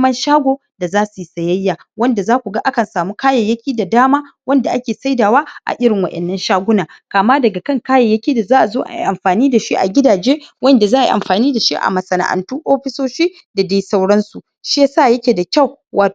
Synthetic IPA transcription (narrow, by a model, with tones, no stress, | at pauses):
mɐ˦nʃaː˦ɡʷoː˨ | da˨zaː˦su˨ji˦sɐ˨jɐ˦jːaː˨ | wɐ˦nda˨zaː˦kʷu˨ɡa˦ʔa˦kɐ˨nsaː˨muː˦kaː˦jɐ˨jɐ˦kʲiː˦da˨daː˦maː˦wɐ˦nda˨ʔa˦kʲeː˨sa˦jdaː˨waː˦ʔa̰˨ʔɪ˦ɽɪ˨ŋwɐ˨ʔɛ̰˨nːɐ˦nʃaː˦ɡʷʊ˦naː˨kaː˨maː˦dɐ˨ɡa˨kɐ˦ŋkaː˦jɐ˨jːɐ˦kʲiː˦da˨zaː˦ʔa˨zoː˦ʔa̰˨i˨ʔa˨mɸaː˨niː˦da˨ʃi˦ʔa̰˨ɡʲɪ˦daː˨d͡ʒeː˦wɐ˦nda˨zaː˦ʔa˨ḭ˨ʔa̰˨mɸaː˨niː˦da˨ʃi˦ʔa̰˨mɐ˨sɐ˨na̰˨ʔa̰˨ntuː˦ʔoː˦ɸɪ˦soː˦ʃiː˦ | da˨deː˦sa˦wɽɐ˦nsu˨ | ʃi˦ja˦saː˦˨jɐ˦kʲeː˨da˨kʲɐ˦˨w | waː˨